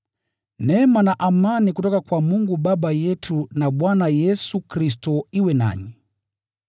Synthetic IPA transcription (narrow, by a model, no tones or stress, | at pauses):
nɛmanaʔamanikutɔkakwamuŋɡubabajɛtʰunabwanajɛsukɾis̬tɔiwɛna̰ɲi